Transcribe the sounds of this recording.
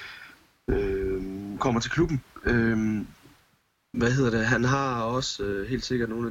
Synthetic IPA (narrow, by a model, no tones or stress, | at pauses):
ø | kʰɒ̽m̰ɐt͡sʰe̝kʰlub̥n̩øm | ʋæhe̝ð̞̰ˠɐd̥e̝ɦænɦɑ̈ɒ̽søɦe̝̰ːld̥se̝ɡ̥ɐd̥no̝ːnæ